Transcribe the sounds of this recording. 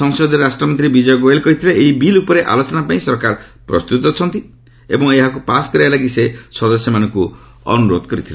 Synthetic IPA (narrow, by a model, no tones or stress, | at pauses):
ɔŋsɔd̪ɾɾasʈɾɔmɔnt̪̬ɾibid͡ʒɔjɔɡoelkɔɦit̪ʰileʔeɦibilupɔɾeʔa̰lot͡ʃɔnapaĩsɔɾkaɾpɾɔ̰st̪ut̪ɔot͡ʃʰɔnt̪i | ebɔŋeɦakupasɔ̥kɔɾibalaɡisesɔd̪ɔsjɔmanɔŋku | ɔ̰nuɾod̪ɔkɔɾḭt̪ʰile